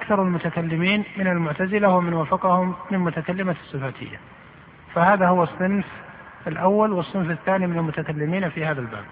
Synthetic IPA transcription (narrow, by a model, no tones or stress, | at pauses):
ʔakθɑɾˤɪlmʊt̪akalːɪmiːnmɪnalmʊʕt̪azɪlawɪmɪnwaːfɑqɑhʊmːɪnmʊt̪akalːɪmasˤːɨfaːt̪ʰɪ̰jːa̰ | fahaːðahʊwɑsˤːɨnf | ɪlʔawːalwɨsˤːɨnfɪθːaːnimɪnalmʊt̪akalːɪmiːnfihaːðalba̰ːb̚